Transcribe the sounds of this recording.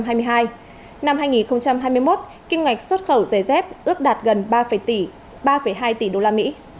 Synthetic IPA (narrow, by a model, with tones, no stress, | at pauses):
mɦaː˧jmɨ˧jɦaː˧j | na˧mɦaː˧jŋi˨˩nxə˧wŋ͡mt͡ɕa˧mɦaː˧jmɨ˧jmo˦˥t̚ | ki˧nŋwa˨˩jk̟̚swə˦˥t̚xə˧˩wzə˨˩jzɛ˦˥p̚ʔɨ˦˥ək̚ɗaː˨˩t̚ɣə˨˩n˧ə˧˩˧ | ɓaː˧fə˧˩jɦaː˧jt̪i˨˩ɗo˧laː˧mḭ˧˥